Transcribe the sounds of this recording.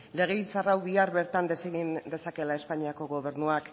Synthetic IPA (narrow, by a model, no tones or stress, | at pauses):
le̞ɣ̞e̞isarawβiaɾβe̞ɾt̪and̪e̞seɣind̪e̞sake̞lae̞spaɲiako̞ɣo̞β̞e̞ɾnuak